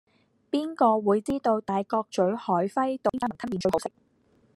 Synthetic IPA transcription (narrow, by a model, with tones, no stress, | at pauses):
piː˥nkɔː˧wuː˨˧jt͡siː˥t̪o˧wt̪aː˨jkɔː˧k̚t͡ʃɵ˨˥ɥhɔː˨˥jfɐ˥jt̪o˨˧˥ŋkaː˧˥m˨˩ŋt̪ʰɐ˥nmi˨˩t͡ʃɵ˧˩o˨˥wsɪ˨k̚